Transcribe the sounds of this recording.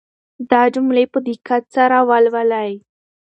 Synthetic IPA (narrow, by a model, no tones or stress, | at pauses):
d̪ɑd͡ʒʊmlepəd̪ikat͡saɾawalwalaj